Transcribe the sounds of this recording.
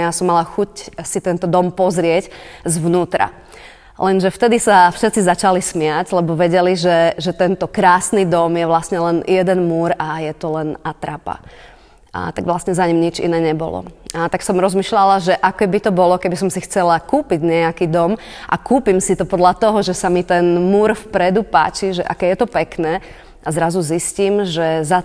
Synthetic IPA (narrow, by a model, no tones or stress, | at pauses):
jasɔmːalaxucsit̪ɛnt̪ɔd̪ɔmpɔzɾɪɛczʋnuːt̪ɾa̰ | lɛnʒɛft̪ɛd̪isafʃɛt̪t͡sizat͡ʃalismɪaɟlɛbɔʋɛɟɛliʒɛʒɛt̪ɛnt̪ɔkɾaːsnid̪ɔmjɛʋlasɲɛlɛnjɛd̪ɛnmuːɾajɛt̪ɔlɛnat̪ɾapa̰ | a̰t̪aɡʋlast̪ɲɛzaɲimɲit͡ʃḭnɛːɲɛbɔ̰lɔ̰at̪aksɔmɾɔzmiːʃlalaʒɛʔakɛbit̪ɔbɔlɔkɛbis̬ɔmsixt͡sɛlakuːpiɟɲɛakiːd̪ɔm | ʔa̰kuːpimsit̪ɔpɔd̪lat̪ɔɦɔʒɛsamit̪ɛnmuːɾfpɾɛd̪upa̰ːt͡ʃiʒɛʔa̰kɛjɛt̪ɔpɛknɛː | azɾazuzisciːmʒɛza